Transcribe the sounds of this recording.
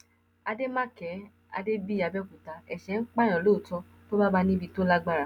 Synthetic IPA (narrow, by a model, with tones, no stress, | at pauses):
a˧de˦mã˦kɛ˨˦ | a̰˧de˦bi˦˨a˧bɛ˦ku˨ta˨˦ɛ˨ʃɛ˨˦ŋ̩˦k͡pa˦˨j̃ɔ̃˨lo˦˨tɔ˦ | to˦ba˦ba˧nĩ˦bi˧to˦la˦ɡ͡ba˦ɾa˨